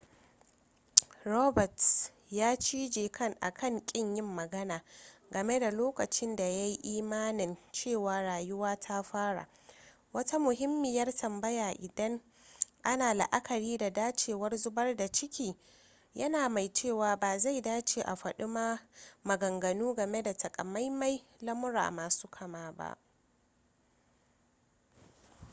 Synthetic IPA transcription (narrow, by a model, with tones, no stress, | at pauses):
ɾoː˦bɐ˨t | jaː˦t͡ʃiː˦d͡ʒeː˨kʰɐ˦ŋʔa̰˨kʰɐ˦˨ŋkʲʼɪ˦ɲjɪ˦mːɐ˨ɡɐ˦naː˨ɡɐ˨me˦da˨loː˦kɐ˨t͡ʃɪ˦nda˨ja˦ji˦ʔiː˦maː˦nɪ˨nt͡ʃeː˦˨waː˨ɽaː˨jʊ˦waː˦tʰa˦ɸaː˦ɽa̰ː˨ | wɐ˦ta˦mʊ˨ɦɪ˦mːɪ˨jɐ˦rtɐ˨mbɐ˦jaː˨ʔɪ˨dɐ˦ŋ | ʔa˦naː˨la̰˨ʔa˦kʰɐ˨ɽiː˦da˨daː˦t͡ʃeː˨wɐ˦rzʊ˦bɐ˦rda˨t͡ʃɪ˦kʲiː˨ | jɐ˦naː˨ma˨jt͡ʃeː˦˨waː˨baː˨za˦˨jdaː˦t͡ʃeː˨ʔa˨ɸɐ˨ɗʊ˦maː˦mɐ˨ɡɐ˨ŋɡɐ˨nuː˦ɡɐ˨me˦da˨tɐ˨kʼɐ̰˨ma˦jma˦j | lɐ˦mʊ˦ɾa̰ː˨maː˨su̥ː˦kʰɐ˨maː˦ba̰˦ʔ